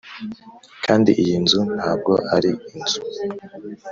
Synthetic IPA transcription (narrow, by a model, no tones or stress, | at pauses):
kʰaːndiʔijinzun̥haːb̚ɡo̞ʔaɾiinz̥u